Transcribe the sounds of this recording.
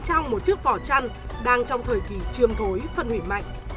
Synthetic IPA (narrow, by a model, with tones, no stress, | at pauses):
t͡ɕa˧wŋ͡mmo˨˩t̚t͡ɕɨ˦˥ək̚vɔ˧˩t͡ɕa˧nɗaː˧ŋt͡ɕɔ˧wŋ͡mt̪ʰəː˨˩jki˧˨˩t͡ɕɨ˧˩əmt̪ʰo˨˦jfə˧nhwḭ˧˩ma̰˧˨jŋ̟